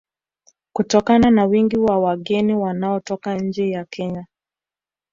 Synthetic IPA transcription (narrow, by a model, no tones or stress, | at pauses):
kutɔkananawiŋɡiwawaɠɛniwanaɔtɔkaɲ̩d͡ʒɛjakʰɛɲa